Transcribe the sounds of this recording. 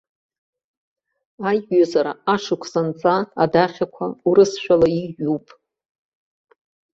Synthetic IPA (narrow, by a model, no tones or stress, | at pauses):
ajɥazaɾaaʂɨkʷʰsant͡sʼaːdaχʲakʷʰauɾɨsʃʷᶣalaiʒupʼ